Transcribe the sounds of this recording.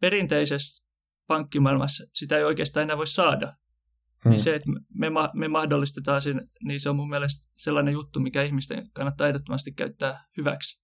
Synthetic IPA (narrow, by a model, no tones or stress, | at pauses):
peɾint̪eises | pɑŋkːimɑilmɑssit̪æeioikeːst̪ɑːenæːʋoissɑːdɑ | niseːt̪mmemɑmemɑhdolːˑist̪et̪ɑːsinniːseomumːiælest̪selːɑnejut̪ːumikæihmist̪ḛŋkɑnːɑt̪ːɑit̪et̪ːomɑst̪ikkæ̰yt̪ːæːhyʋæ̰ks